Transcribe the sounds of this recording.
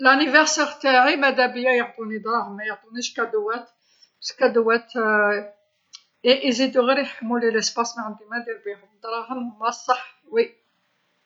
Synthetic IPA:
lʔænivæʁsɛʁt̪aʕimæd̪æbəjːæjəʕt̪ˤunid̪ɾˤɑhəmːæjəʕt̪ˤuniʃkæd̪əwæt̪ | bskæd̪əwæt̪ | iʔizid̪uɣiɾijħəmːuliləspɑsmæʕənd̪imæd̪iɾbihʊmd̪ɾˤɑhəmmːæsˤɑħ | wi

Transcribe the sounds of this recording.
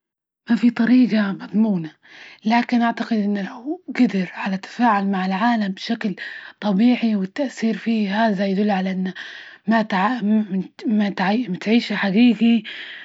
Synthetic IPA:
mafit̪ˤɑɾiːɡamɑd̪ˤmuːna | laːkɪnʔaʕt̪aqɪd̪ʔɪnːlawɡad̪ɪɾʕalat̪ːḁfaːʕʊlmaʕɪlʕaːlambʃaklt̪ˤɑbiːʕiwɪt̪ːaʔθiːɾfiːhaːðajad̪ʊlːʕalaʔɪnːa | mat̪ʕ | mat̪ʕmat̪ʕiːʃaħaɡiːɡi

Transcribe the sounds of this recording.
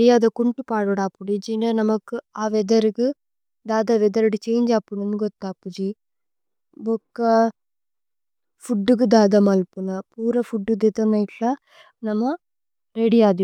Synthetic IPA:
ɽijaːd̪ɐkuɳʈupaːɽuɽaːpːuɽid͡ʒinɐnɐmɐkuaːʋɛd̪ɐɾiku | d̪aːd̪ɐʋɛd̪ɐɾɐɽit͡ʃejɲd͡ʒɐpːunɐnuɡɔt̪ːaːpːud͡ʒi | bɔkːɐ | fʰuɖːukud̪aːd̪ɐmɐlpunɐpuːɾɐpʰuɖːud̪it̪ɐnɐiʈla | nɐmɐ | ɾeɽijaːd̪i

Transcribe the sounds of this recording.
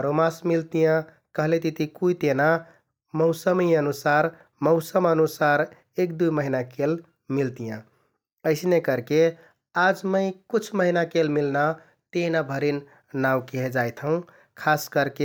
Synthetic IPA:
ɾomasmilt̪ijã | kəɦlet̪it̪ikuit̪ena | məʊsəmiənusaɾ | məʊsəmənusaɾ | ek̚d̪ujməɦinakel | milt̪ijã | əɪsnekəɾke | ad͡ʒməɪkut͡ʃʰməɦinakelmilna | t̪enabʱəɾin | naũkeɦd͡ʒajt̪ʰəũ | kʰaskəɾke

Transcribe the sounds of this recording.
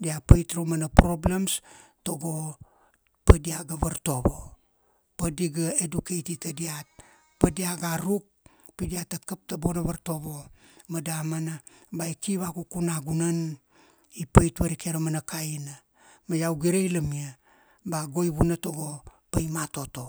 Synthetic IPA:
diapajtɾomanapɾo̞blemsto̞ɡo̞ | padiaɡaβaɾto̞bo̞ | padiɡaedukejtitadiat̚ | padiaɡaɾuk̚ | pidiatakap̚tabo̞naβaɾto̞βo̞madamanabajkiβakukunaɡunan | ipajtβaɾike̞ɾomanakʰaina | majawɡiɾejlamia | baɡo̞jβunato̞ɡo̞pajmato̞to̞

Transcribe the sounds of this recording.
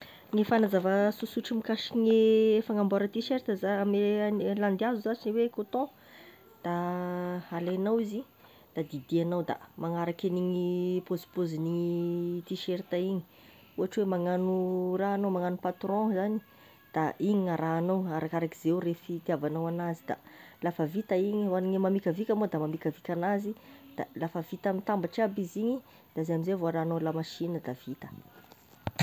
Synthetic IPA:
ŋefanazavəsusuʈ͡ʂimikaʃiŋefaŋambaɾət̪iʃeɾt̪azaamelãnd̪iazuzat͡ʃiniwekot̪ɔ̃ | d̪̥a | alenawizi | d̪̥ad̪id̪ianawd̪a̰maŋaɾakeniŋipozpozinit̪iʃeɾit̪aiɲi̥ | uɦaʈ͡ʂwemaŋanuraːnawmaŋanupat̪rɔ̃zani̥ | d̪̥aʔiɲiaɾaːnawaɾakaɾakizewrefit̪iavanawanazid̪̥a̰lafəvit̪aiɲiwaniɲemamikʲəvikʲamod̪amamikʲəvikʲanazid̪̥a̰lafəvit̪amint̪ambaʈ͡ʂiabiziɲi | d̪̥azeamizevoaɾaːnawlamaʃinəd̪av̥it̪ə̥

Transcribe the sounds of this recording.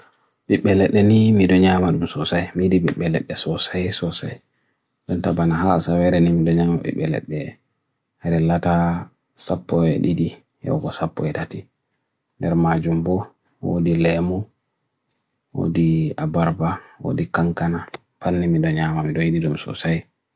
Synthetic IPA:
ɓiɓːɛlɛɗːɛnimiɗɔɲamaɗumsɔsajmidiɓiɓːɛlɛ̰ɗːɛsɔsajsɔsa̰j | ɗɔntabanahasawɛɾɛnimiɗɔɲama̰ɓɛ̰ɓɛlɛ̰ɗɛ | ɾɛlːata | sapːɔɛɗidi | jɛ̰wɡɔsapːɔ̰ɛtati | ndɛɾmad͡ʒumbɔ | wo̰dilɛmu | wo̰diabaɾbawo̰dikaŋkana | panːimiɗɔɲamamiɗɔjidiɗumsɔ̰saj

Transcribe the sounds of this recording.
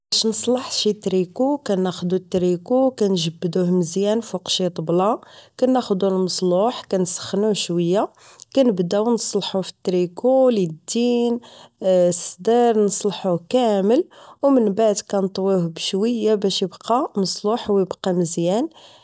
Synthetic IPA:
bæʃnəsˤlɑħʃit̪ɾikukænæxd̪ut̪ːɾikukænʒəbːd̪uhməzjænfuqʃit̪ˤblɑkænæxd̪ulməsˤluħkænsə̥xːnuʃwəjːa | kænəbd̪æwnəsˤlħufi̥t̪ːɾikulid̪ːin | sd̪iɾˤnəsˤlħukæməlwmənbaʕd̪kænt̪ˤwihbʃwəjːabæʃjəbqɑməsˤluħwjəbqɑməzjæn

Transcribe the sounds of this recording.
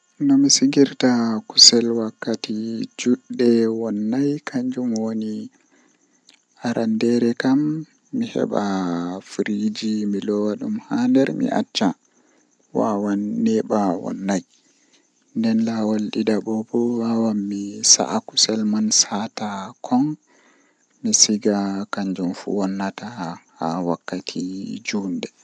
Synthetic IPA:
nɔmisiɡiɾtaku̥sɛlwakːatid͡ʒuɗːɛwɔnːajkʰaɲd͡ʒumwoni | haɾʔandɛɾɛkamː | ihɛ̰ɓafuɾid͡ʒimilɔwaɗumhandɛɾmḭʔa̰t͡ʃːa | wawanːɛɓawɔ̰nːaj | ndɛnlawalɗidabɔbɔwawamːisa̰ʔaku̥sɛlmansatakʰɔn | misiɡakaɲd͡ʒumfṵwɔnːatahawakːatʰid͡ʒuːndɛ

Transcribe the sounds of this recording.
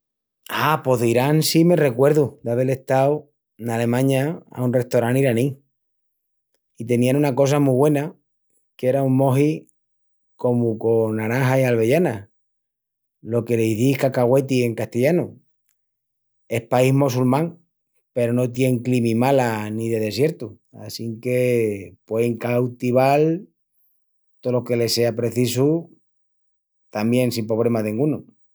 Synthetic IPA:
apo̞ðoiɾansime̞re̞kwe̞ɾðud̪aβele̞st̪aw | nale̞mãɲaa̰unre̞st̪oɾaniɾani | it̪e̞nianunako̞s̬amuβwe̞na | ke̞ɾauŋmo̞ɦi | ko̞mukonːaɾaŋɦaialβ̞e̞ʝana | lo̞ke̞leiðikakaɣwe̞t̪ie̞ŋkast̪eʝanu | e̞hpaiɦmo̞s̬ulmãŋ | pe̞ɾo̞no̞t̪̬je̞ŋklimĩmalaniðe̞ð̞e̞s̬je̞ɾt̪u | a̰siŋke̞pweeŋkawt̪iβal | t̪olo̞ke̞le̞se̞apɾe̞θisu | t̪ambje̞nsimpo̞β̞le̞maðeŋɡunu

